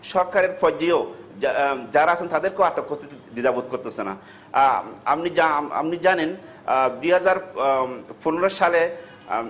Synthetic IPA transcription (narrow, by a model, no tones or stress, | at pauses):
ʃɔɾkaɾeɾpʰɔd͡ʒio | d͡ʑaɾaasʰent̪ad̪eɾkeaʈːopost̪ʰit̪id̪id̪abud̪̚koɾt̪esena̰ | a̰pniaa̰pnid͡ʑanen | d̪uɦad͡ʑaɾ | poneɾoʃale